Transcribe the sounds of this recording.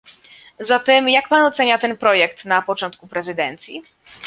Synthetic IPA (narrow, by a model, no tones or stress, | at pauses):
zat̪ɛmjak̚panɔt̪sɛɲat̪ɛnpɾɔjɛkt̪napɔt͡ʂɔnt̪kupɾɛzɘd̪ɛnt̪sʲjḭ